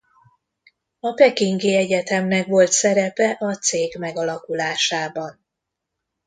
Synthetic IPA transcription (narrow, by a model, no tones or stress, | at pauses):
ɒpɛkiŋɡiɛɟɛt̪ɛmnɛkʋo̞lt̪sɛɾɛpɛʔɒt̪seːɡmɛɡɒlɒkulaːʃaːbɒn